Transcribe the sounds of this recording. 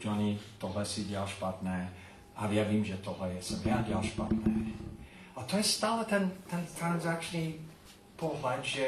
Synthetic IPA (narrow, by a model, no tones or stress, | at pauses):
d͡ʒɔnit̪ɔɦlɛsidɪalʃpat̪nɛː | ʔajɛviːmʒɛt̪ɔɦlɛjɛsɛmjadɪalʃpa̰t̪nɛː | at̪ʰɔjɛst̪aːlˠət̪ʰɛ̃nt̪ʰɛ̃nt̪ʰɹãnzak̚t͡ʃn̩i | pʰolˠvant͡ʃə